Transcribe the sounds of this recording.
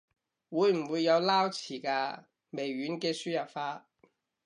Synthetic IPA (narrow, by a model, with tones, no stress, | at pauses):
wuː˨˧jm̩˨˩wuː˨˧jːɐ˨˧wlaː˥wt͡sʰiː˨˩kaː˧ | me˨˩jɥyː˨˥nkɛː˧syː˥jɐ˨˩pfaː˥